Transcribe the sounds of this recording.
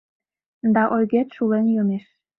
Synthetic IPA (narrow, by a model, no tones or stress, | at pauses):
d̪ɑʔojɣet̪ʃulenjømeʃ